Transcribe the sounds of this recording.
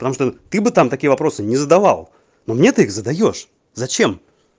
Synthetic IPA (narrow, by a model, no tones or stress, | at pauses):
pə̥t̪ɐmuʂt̪ot̪ɨbɨt̪amt̪ɐkʲijəvɐpɾo̞sɨnʲɪzəd̪ɐva̰lˠ | nomnʲet̪ɨixzəd̪ɐjo̞ʂ | zɐt͡ɕem